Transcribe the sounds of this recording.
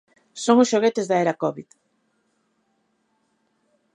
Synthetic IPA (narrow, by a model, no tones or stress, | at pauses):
soŋʊsʃoɣet̪ɪzðaɛɾakɔβið